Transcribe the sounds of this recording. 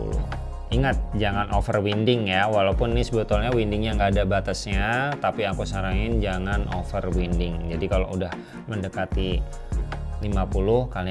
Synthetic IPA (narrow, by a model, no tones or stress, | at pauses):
ṵlʊ̰ | iŋat̪̚d͡ʒaŋanʔofərwindɪŋjawalaupʊnːɪsəbət̪ʊlɲawindɪŋjaŋɡaːdabat̪asɲat̪apiakusaɾaŋɪnd͡ʒaŋanʔo̰fərwindɪŋd͡ʒadikaloʔudah | məndəkat̪i | limapulʊhkali